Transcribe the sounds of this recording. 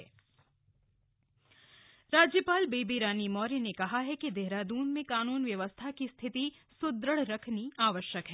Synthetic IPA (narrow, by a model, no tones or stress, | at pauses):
ɾaːd͡ʒjəpaːlbeːbiɾaːnimɔːɾinekɐɦaɦɛkid̪eɦɾad̪uːnmẽkaːnuːnʋjɐʋəst̪ʰakist̪ʰɪt̪i | sʊd̪ɾəɽɾɐkʰniaːʋəʃjəkɦɛː